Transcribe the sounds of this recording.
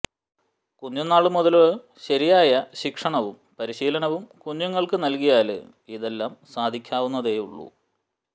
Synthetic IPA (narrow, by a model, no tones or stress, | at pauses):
kuɲːjunːaːɭumuðɐle | ɕɐɾijaːjɐɕikʂɐɳɐʋumpɐɾiɕiːlɐɳɐʋumkuɲːuŋːɐɭkɨnɐlkijaːlɨ̰ | iðe̞lːaːmsaːd̪ʱikʲːaːʋunːɐðeːjṵɭːṵ